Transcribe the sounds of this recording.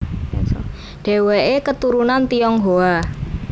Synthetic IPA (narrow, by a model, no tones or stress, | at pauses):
ɖ̥ɛ̤weʔekət̪uɾunant̪ijɔŋɦoa